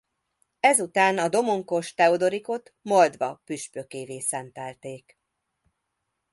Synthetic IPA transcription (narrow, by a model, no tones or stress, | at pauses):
ɛzut̪aːnɒd̪o̞moŋkoʃt̪ɛod̪o̞ɾiko̞t̪mo̞ld̪ʋɒpyʃpøkeːveːsɛnt̪ɛlt̪eːk